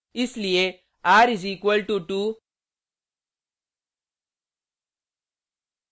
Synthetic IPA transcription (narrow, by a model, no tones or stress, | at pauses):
islije | aɾiziːkʋɐlʈuʈu